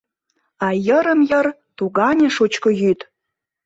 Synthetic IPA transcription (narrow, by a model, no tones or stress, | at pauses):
ɑjəɾəmjə̆r | t̪uɡɑnʲeʂut͡ɕkə̆jyt̪